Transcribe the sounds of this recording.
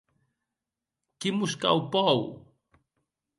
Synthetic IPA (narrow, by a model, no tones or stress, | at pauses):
kimuska̰wpaw